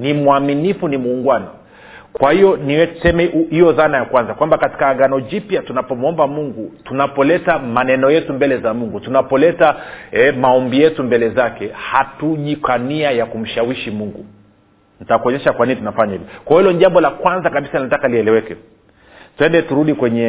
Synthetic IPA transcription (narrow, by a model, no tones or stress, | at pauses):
nimuaminifunimuːŋɡwanɔ | kwahijɔniwɛsɛmɛhijɔðanajakwanzakwambakati̥kaːɠanɔd͡ʒipjatunapɔmuɔmbamuŋɡutunapɔlɛtamanɛnɔjɛtumbɛlɛzamuŋɡutunapɔlɛtaɛmaɔmbijɛtumbɛlɛzakɛhatuʄikaniajakum̩ʃawiʃimuŋɡu | n̩takuɔɲɛʃakwaninitunafaɲahivɔkwajɔhilɔniʄambɔlakwanzakaɓisaninatakaliɛlɛwɛkɛ | tuɛndɛtuɾuɗikwɛɲɛ